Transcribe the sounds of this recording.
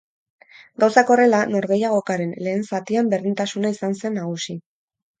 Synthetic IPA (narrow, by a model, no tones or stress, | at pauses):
ɡawsako̞re̞lano̞ɾɣe̞jaɣ̞o̞kaɾe̞nle̞ːnsat̪iambe̞ɾðint̪asunaisanse̞nːaɣ̞usi